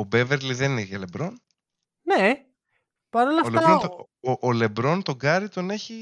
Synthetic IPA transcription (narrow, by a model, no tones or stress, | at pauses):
obe̞veɾliðenineʝɐle̞bɾo̞n | ne | pɐɾolɐfleɐɾot̪o | ʔole̞bɾo̞nt̪o̞ɡɐɾit̪o̞ne̞çi